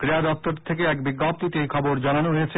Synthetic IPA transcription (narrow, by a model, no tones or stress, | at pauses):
kɾead̪ɔp̚t̪oɾt̪ʰekeɛkbiɡːap̚t̪it̪ejkʰɔboɾd͡ʑananoɦojet͡ɕʰe